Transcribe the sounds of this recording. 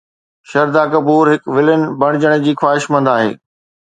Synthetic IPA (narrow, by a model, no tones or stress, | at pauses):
ʃɐɾd̪aːkɐbuːɾɦɪkʋɪlənɪ̆bɐɽ̃ɪd͡ʑəɽ̃d͡ʑiːxwaːɦɪʃmɐ̃nd̪aːɦḛː